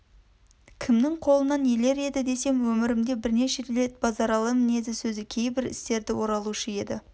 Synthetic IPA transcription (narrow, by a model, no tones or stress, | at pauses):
kʲʰɪmnɪŋqʰo̞lˠənɑnjele̞ɾe̞d̪ɪd̪e̞se̞mwɵmɪɾɪmd̪e̞bɪɾne̞ʃeele̞t̪bɑzɑɾɑlˠəmɪne̞d̪ɪsɵzɪkʲʰe̞jbɪɾɪ̰st̪e̞ɾd̪ɪwo̞ɾɑlˠuʃəje̞d̪ɪ